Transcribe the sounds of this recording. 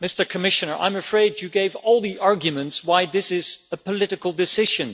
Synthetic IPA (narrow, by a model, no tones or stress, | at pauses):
mɪstə˞kʰɨmɪʃɨ̃nə˞ʔã̰ɪ̃mɨfɹeɪd͡ʒɨɡeɪvɔlˠðiʔɑɹɡjɨmɨ̃ntswaɪðɪsɪzəpʰəlɪɾɨkl̩ˠdɨsɪʒɨ̃n